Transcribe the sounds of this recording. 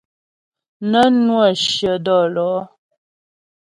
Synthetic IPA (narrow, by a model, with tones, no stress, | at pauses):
nə˦nwə˦˨ʃjə˨dɔ˦˨lɔ˨˦